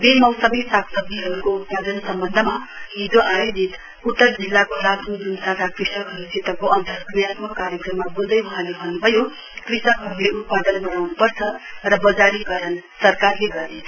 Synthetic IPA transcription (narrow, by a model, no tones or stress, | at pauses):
bemʌwsʌbʌjsakʰsʌb̚d̪iɦʌɾukout̪̚pad̪ʌnsʌmbʌnd̪ʱəmaɦid͡zoʔajod͡zit̪ | ut̪ːʌrd͡zilːakolat̪ʰud͡zunsat̪ʰakrisʌkɦʌɾusʰit̪ʌb̚koʔʌnt̪ʌknjat̪mʌkaɾjʌkrʌmːabold̪ʌjwʌɦãlebʱʌnːubʱʌjo | krisʌkɦʌɾuleut̪̚pad̪ʌnbʌnawnupʌrt͡sʰʌrʌbʌd͡zaɾikʌɾʌnsʌrkarleɡʌrnet͡sʰ